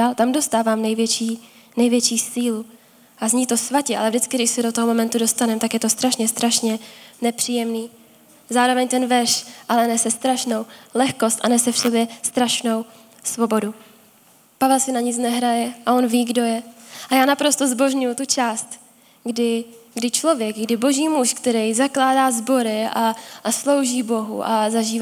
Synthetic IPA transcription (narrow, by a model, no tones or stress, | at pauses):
aːlt̪amdo̞st̪aːvaːmnɛjvjɛt͡ʃiː | nɛjvjɛt͡ʃiːsiːlu | ʔazɲiːt̪o̞svacɛʔalɛvdɪt͡skɪɡdɪʃsɛdot̪oɦomo̞mɛnt̪udo̞st̪anɛmt̪akjɛt̪o̞st̪ɾaʃɲɛst̪ɾaʃɲɛnɛpr̥iːjɛmniː | zaːɾovɛɲt̪ɛnvɛʃʔalɛnɛsɛst̪ɾaʃno̞wlɛxko̞st̪ʔanɛsɛfso̞bjɛst̪ɾaʃno̞w | svo̞bo̞du | pavɛlsɪnaɲɪt͡snɛɦɾajɛʔao̞nviːɡdo̞jɛʔajaːnapɾo̞st̪ozbo̞ʒɲujut̪ut͡ʃaːst̪ | ɡdɪɡdɪt͡ʃlo̞vjɛkɡdɪbo̞ʒiːmuʃkt̪ɛɾɛjzaklaːdaːzbo̞ɾɪaslo̞wʒiːbo̞ɦṵʔazaʒiːv